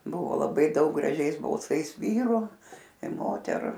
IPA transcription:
ˈbʊʋoː lˠɐˈbɐɪ ˈdɐʊk ɡrɐˈʒʲɛɪs bɐlˠˈsɐɪs ˈʋʲiːrʊ ɪ ˈmoːtʲɛrʊ

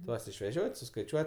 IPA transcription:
ˈtuɔs ɪʃʲʋʲɛˈʒʲoːtʲ sʊskɐɪˈt͡ʃʲuɔtʲ

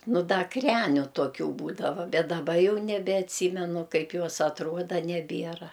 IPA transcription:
nʊ ˈdɐ ˈkrʲæːnʲʊ toːˈkʲuː ˈbuːdɐʋɐ bʲɛt dɐˈbɐ ˈjɛʊ nʲɛbʲɛɐtʲˈsʲiːmʲɛnʊ ˈkɐɪp ˈjoːs ɐtˈruɔdɐ nʲɛˈbʲiɛrɐ

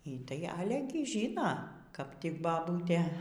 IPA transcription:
iː ˈtɐɪ ˈɑːlʲɛ ɡʲɪ ˈʒʲiːnoː kɐp tʲɪk bɐˈbuːtʲeː

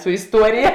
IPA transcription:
sʊ ɪsˈtuɔrʲɪjɛ

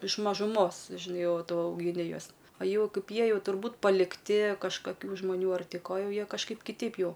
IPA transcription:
ɪʃ mɐʒʊˈmoːs ʒʲɪˈnɐɪ ˈjɛʊ ˈtʊ ɐʊɡʲɪˈnʲɪ ˈjuɔs oː ˈjɛʊ ˈkɐɪp ˈjiɛ ˈjɛʊ tʊrˈbuːt pɐlʲɪkˈtʲɪ kɐʃkɐˈkʲuː ʒmɐˈnʲuː ɐr ˈtʲɪ ˈkoː ˈjɛʊ ˈjiɛ kɐʃˈkɐɪp kʲɪˈtʲɛɪp ˈjɛʊ

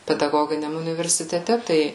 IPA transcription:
pʲɛdɐˈɡoːɡʲɪnʲɛm ʊnʲɪʋʲɛrʲsʲɪtʲɛˈtʲɛ ˈtɐɪ

